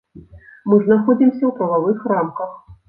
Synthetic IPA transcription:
mɨʐnaxɔd͡zʲimsʲɐwpɾɐvavɨxramkɐx

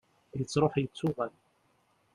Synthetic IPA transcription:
jət͡sːɾˤoħjət͡sːʊʁæl

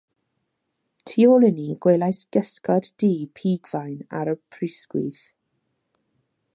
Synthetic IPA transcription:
tʰiolˠɪniɡ̥welˠajsɡ̥əskɔddiːpʰiːɡvajna̰ɾəpʰrɪskwḭθ

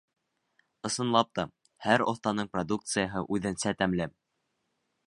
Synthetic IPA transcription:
ɤ̆sɤ̆nlˠɑp̚t̪ɑ | hæɾo̰θt̪ɑnɤɴprod̪uk̚t̪sɨjəɦɤʔʉðɘnsæt̪æmlæm

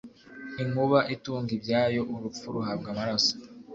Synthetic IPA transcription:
iŋ̥uβaʔituːŋɡibɟaːjo̞ʔuɾup͡fuɾuɦabɡamaɾaso̥

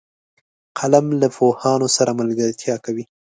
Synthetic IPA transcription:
qʰalamlafohɑnosaɾamalɡəɾt̪ʰjɑkawi

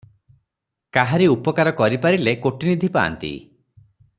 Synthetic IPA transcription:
kaɦaɾiupɔkaɾɔkɔɾipaɾilekoʈinid̪ʱipa̰ːnt̪ḭ

